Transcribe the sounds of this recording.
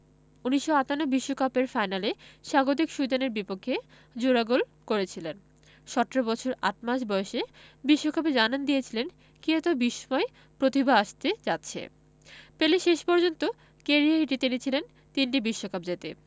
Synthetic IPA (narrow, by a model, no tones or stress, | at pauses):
uniʃːoat̪anobiʃːokapeɾfajnaleʃaɡod̪ikʃud̪aneɾbipokʰːe | d͡ʑoɾaɡolkoɾet͡ɕʰilen | ʃɔʈːeɾobɔt͡ɕʰoɾa̰ʈ̚maʃbɔeʃebiʃːokap̬ed͡ʑanand̪ijet͡ɕʰilen | kiet̪obiʃːomɔe | pɾot̪ibʱaaʃt̪ed͡ʑatːɕʰḛ | peleʃeʃpɔɾd͡ʑont̪o | keɾiaiʈit̪init͡ɕʰilen | t̪inʈibiʃːokap̚d͡ʑet̪e